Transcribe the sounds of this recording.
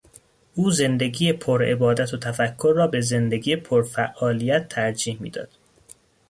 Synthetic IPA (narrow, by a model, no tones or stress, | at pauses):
ʔuːze̞nd̪e̞ɡiːjepʰoɾe̞̰bɒːd̪æt̪ʰot̪ʰæfækʰːoɾːɒːbeze̞nd̪eɡiːjepʰoɾfæʔɒːlijæt̪ʰːæɾd͡ʒiːhmḭːd̪ɒ̰ːd̪̥